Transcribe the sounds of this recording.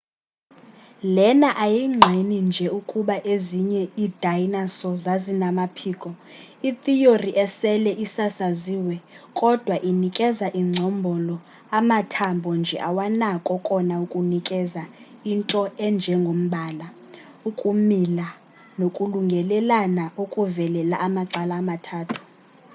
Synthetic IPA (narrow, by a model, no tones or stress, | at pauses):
lɛnaʔajiŋ͡ǁʱinind͡ʒʱɛukʼuɓaʔeziɲɛid̥ʱajnasɔzazinamapʰiːkʼɔ | it̪ʰʼijoriʔɛsɛlɛʔisasaziːwɛkʼɔd̥ʱwaʔinikʼɛzaʔiŋ͡ǀʱɔmbʱɔlɔ | amatʰambʱɔnd͡ʒʱɛʔawanakʼɔkʼɔnaukʼunikʼɛzaintʼɔɛnd͡ʒʱɛŋɡʱom̩ɓaːla | ukʼumila | nokʼuluŋɡʱɛlɛlanaukʼuvɛlɛlaʔamaǀalaːmatʰaːtʰu̥